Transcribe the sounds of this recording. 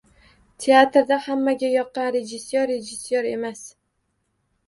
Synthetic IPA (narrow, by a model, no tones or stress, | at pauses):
t̪ʰeat̪ɾd̪ahamːaɡʲajɒqːɑnɾe̞d͡ʒɪsjoɾːed͡ʒɪsjoɾe̞mas